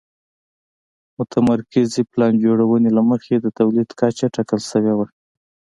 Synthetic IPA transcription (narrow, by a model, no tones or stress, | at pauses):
mʊt̪ʰamaɾkɪziplɑnd͡ʒoɽawənelaməxed̪ət̪awlid̪kat͡ʃaʈɑkəlsəwewa